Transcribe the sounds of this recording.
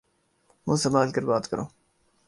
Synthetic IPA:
mũːsɐmaːlkəɾbaːt̪kɐɾoː

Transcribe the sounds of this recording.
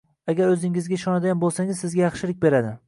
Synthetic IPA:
aɡʲaɾɵzɪŋɪzɡʲaɪʃɒnad̪aanbolˠsaŋʲɪzsɪzɡʲajɑχʃɪlɪk̚ʲbe̞ɾad̪ɪ

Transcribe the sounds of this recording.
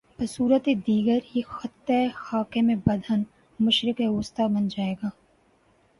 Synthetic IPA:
bɐsuːɾət̪ed̪iːɡəɾixɐt̪ːexaːkemẽbɐd̪ʱən | mʊʃɾɪkeoːst̪abɐnd͡ʒaːeːɡaː

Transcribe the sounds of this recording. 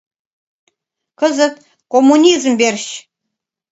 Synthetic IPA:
kəzət̪̚ | komːunʲizmberɕ

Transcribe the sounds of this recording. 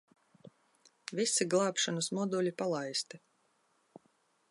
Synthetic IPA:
visiɡlˠaːpʃanusmɔd̪ulʲipalˠajst̪i

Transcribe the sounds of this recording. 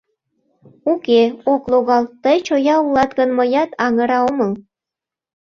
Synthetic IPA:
ukeokloɣɑlt̪əjt͡ɕojɑulɑt̪ɡɣənməjɑt̪ɑŋəɾɑoməl

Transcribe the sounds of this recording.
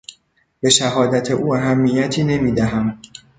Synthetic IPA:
b̥e̞ʃæɦɒːd̪æt̪ʰeʔuːæɦæmːijæt̪ʰiːne̞miːd̪æɦæm

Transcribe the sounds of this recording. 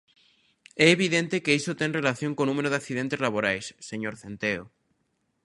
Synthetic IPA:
ɛːβiðẽnt̪ekeisot̪eŋrelaθjoŋkonumeɾoðakθiðẽnt̪ezlaβ̞oɾajsːeɲoɾθent̪eo

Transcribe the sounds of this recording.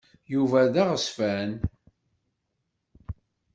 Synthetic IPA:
juvæðæʁəsfæn

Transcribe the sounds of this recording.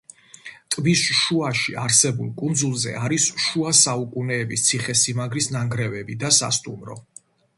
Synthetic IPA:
t̪ʼvisʃuaʃḭaɾsɛbṵlˠkʼund̪zulˠzɛ̰ʔaɾisʃuasaukʼunɛːbist̪sʰiχɛsimaɡɾisnaŋɡɾɛvɛbid̪asa̰st̪ʼṵmɾɔ̰

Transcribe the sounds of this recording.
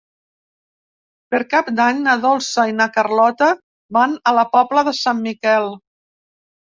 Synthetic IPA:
pəɾkap̚d̪aɲnəðɔlˠsəinəkərlɔt̪ə | βanələpɔpləðəsammikɛlˠ

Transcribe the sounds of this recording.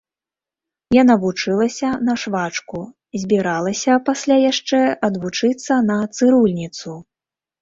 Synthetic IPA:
janavut͡ʂɨlˠɐsʲɐnɐʂvat͡ʂku | zʲbʲiɾalˠɐsʲɐpasʲlʲajaʂt͡ʂɛɐd̪vut͡ʂɨt̪sːɐnɐt̪sɨɾulʲnʲit̪su

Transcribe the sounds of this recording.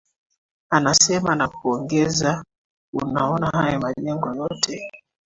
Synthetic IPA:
anasɛmanakuɔŋɡɛza | unaɔnahajɔmaʄɛŋɡɔjɔtʰɛ

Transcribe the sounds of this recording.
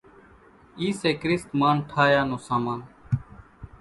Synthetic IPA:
iːseːkɾɪst̪maːnʈʰaːjaːnũːsaːmaːn

